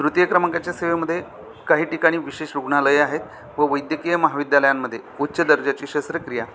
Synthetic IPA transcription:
d̪ɾut̪jəkɾəmaŋkat͡ɕjaseʋeməd̪ʱːje | kaɦiːʈikaɽ̃iːʋiɕeɕɾuɡɳaləjaɦet̪ | ʋəʋəjd̪jəkijəməɦaʋid̪ʱjaləjamːəd̪ʱːjeutːɕəd̪əɾd͡ʑat͡ɕiːɕəst̪ɾəkɾija

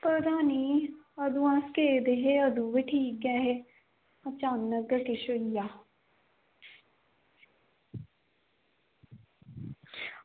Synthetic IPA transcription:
pɾd̪aːniːəd̪uãskeːd̪eɦeəd̪ũːʋiʈʰiːk̚ɡɛːɦe | ɐt͡ʃaːnəkəkɪʃoijaː

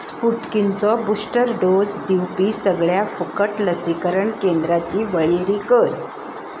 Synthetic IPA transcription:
spuʈkint͡sɔbusʈəɾɖod͡zd̪iwpiːsəɡɭjafukəʈləsikəɾəɳkend̪ɾat͡ɕiːʋəɭiɾikəɾ

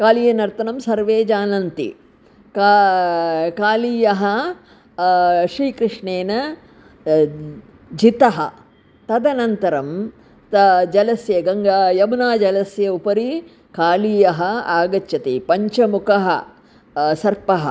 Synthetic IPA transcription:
kaːliːjɐnɐɾt̪ɐnɐmsɐɾʋeːd͡ʒaːnɐnt̪ḭ | ka | kaːliːjɐɦɐ | ʃɾiːkɾɨʂɳeːnɐ | d͡ʒit̪ɐɦɐ̰̆ | t̪ɐd̪ɐnɐnt̪ɐɾɐm | t̪ɐd͡ʒɐlɐsjɐɡɐŋɡajɐmnaːd͡ʒɐlɐsjɐupɐɾi | kaːliːjɐɦɐaːɡɐt͡ʃːʃɐt̪ipɐɲt͡ʃɐmukɐɦɐ̰ | sɐɾpɐɦɐ̰

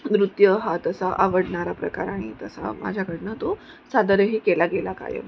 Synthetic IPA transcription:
d̪ɾut̪jəɦat̪əsaʔaʋəɽɳaɾapɾəkaɾaɽ̃it̪əsa̰ma̰d͡ʑʱjakəɽnət̪o | sad̪əɾəɦikelaɡelaka̰jḛ

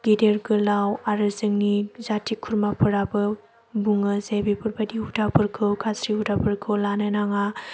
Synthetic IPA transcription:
ɡ̥ideɾkʰɯlawaɾɯzɯŋnizatʰikʰuɾmapʰɯɾabɯ | buŋɯzajbipʰɯɾbadihudapʰɯɾkʰɯwkʰasɾiɦudapʰɯɾkʰɯwlanɯnaŋa

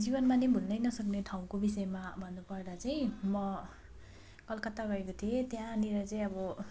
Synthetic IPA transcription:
d͡zibʌnmanebʱulnʌjnʌsʌkneʈʰaw̃kobisʌemabʱʌnːupʌrd̪at͡saj̃mʌ | kʌlkʌt̪aɡʌekot̪ʰiet̪jãniɾʌt͡saj̃ʌbʌ

